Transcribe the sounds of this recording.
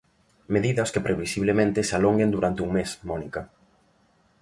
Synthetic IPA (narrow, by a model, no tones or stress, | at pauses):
meðiðɐskepɾʔeβisiβlemẽnt̪ɪsalɔŋɡend̪uɾant̪ɪuŋmesmɔnikɐ